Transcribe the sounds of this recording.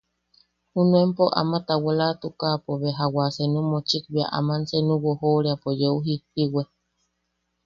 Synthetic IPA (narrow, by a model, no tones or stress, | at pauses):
hunũempoʔa̰mat̪awelat̪ukapoβeɦawasenumot͡ʃik̚bia̰ʔa̰mansenũwohoɾeapojeuɦipiwe